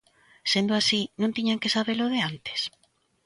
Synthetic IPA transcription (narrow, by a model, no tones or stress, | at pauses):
send̪oasinõnt̪iɲaŋkesaβeloðeant̪e̥s